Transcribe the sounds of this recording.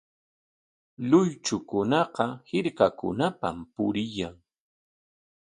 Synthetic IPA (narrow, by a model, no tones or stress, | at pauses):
lʊjt͡ʃʊkʊnɑqɑhɪɾkakʊ̰napa̰mpʊɾɪjaŋ